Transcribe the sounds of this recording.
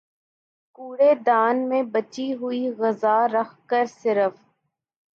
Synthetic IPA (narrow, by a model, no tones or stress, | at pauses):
kuːɽed̪aːnmẽbɐt͡ʃiɦʊiɣɐzaːɾɐxkəɾsɪɾəf